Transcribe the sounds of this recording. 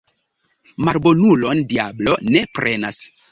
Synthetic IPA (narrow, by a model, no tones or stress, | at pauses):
maɾbo̞nulo̞ndiablone̞pɾʔe̞na̰s